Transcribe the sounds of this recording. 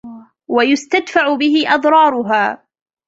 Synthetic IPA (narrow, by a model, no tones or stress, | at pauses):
wajʊst̪ad̪faʕʊbɪɦɪʔɑd̪ˤɾˤɑːɾˤʊɦaː